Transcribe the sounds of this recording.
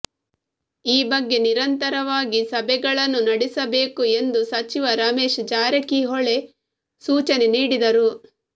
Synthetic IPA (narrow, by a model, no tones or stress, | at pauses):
iːbɐɡːe̞niɾɐnt̪ɐɾɐʋaːɡisɐbɛɡɐɭɐnːunɐɽisɐbeːkue̞nd̪usɐt͡ʃiʋɐɾaːmeːʃd͡ʒaːɾɐkiɦoɭe̞ | suːt͡ʃɐne̞niːɽid̪ɐɾu